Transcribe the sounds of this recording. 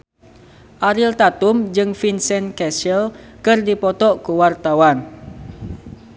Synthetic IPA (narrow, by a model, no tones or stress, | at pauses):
ʔaɾɪlt̪at̪ʊmd͡ʒɨŋfinsɛnkɛsɛl | kɨrdipɔt̪ɔʔkuwart̪awan